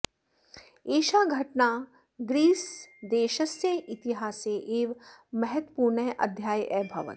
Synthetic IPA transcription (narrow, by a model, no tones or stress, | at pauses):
eːʃaːɡʱɐʈnaː | ɡɾiːsd̪eːʃəseʔɪt̪iɦaːseʔeːʋmɐɦət̪ə̥puːɾɳeʔɐ̰d̪ʱjaːjʔɛbʱɐʋə̰t̪